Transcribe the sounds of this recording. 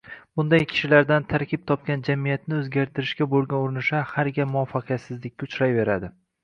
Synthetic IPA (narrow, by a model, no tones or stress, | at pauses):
b̥ʊnd̪ajkʲʰɪ̥ʃɪlaɾd̪ant̪ʰaɾkʲɪp̚t̪ʰɒp̚kʲand͡ʒamijat̪nɪɵzɡʲaɾt̪ʰɪɾɪʃkʲabolˠɡʲanoɾɪnɪʃahaɾɡʲamʊɒfːɑqʰɨjat̪sɪzlɪk̚ʲːaʊt͡ʃɾajve̞ɾad̪ɪ